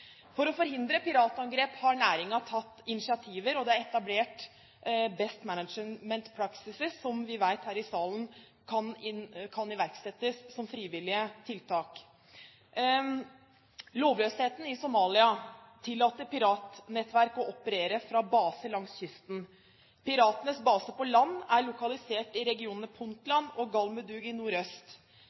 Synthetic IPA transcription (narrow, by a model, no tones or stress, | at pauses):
fɔɾɔfɔɾhɪnd̪ɾəpɪɾɑːt̪ɑŋɡɾeːphɑɳæːɾɪŋɑt̪ʰɑt̪ːɪnɪsɪɑt̪ʰiːʋəɾɔd̪ɛæɾɛt̪ɑbleːʈ | bɛst̪mænəd͡ʒmɛnt̪pʰɾɑksɪsɪsːɔmʋɪʋæɪt̪hæːɾɪsɑːlən | kʰɑnɪkʰɑnɪʋæɾksɛt̪ːəsːɔmfɾiːʋɪlɪət̪ʰɪlt̪ʰɑːk | loːʋløːsheːt̪n̩ɪsʊmɑːlɪɑt̪ʰɪlːɑːt̪əɾpɪɾɑːt̪nɛt̪ʋæɾkɔʔɔpəɾeːɾəfɾɑbɑːsəlɑŋsçʏst̪n̩ | pɪɾɑːt̪ənəsbɑːsəpɔlɑnːæɭʊkɑlɪseːʈɪɾɛɡɪuːnənəpʰʊnt̪lɑnːɔɡɑlməd̪ʉːɡɪnuːɾœst̪